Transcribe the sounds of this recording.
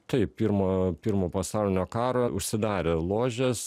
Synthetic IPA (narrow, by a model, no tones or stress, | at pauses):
t̪ɐɪppʲiɾmoːpʲiːɾmoːpɐsɑˑʊlʲɪnʲoːkɑːɾoːʊʃʲsʲɪd̪ɑːɾʲelˠoːʒʲɛs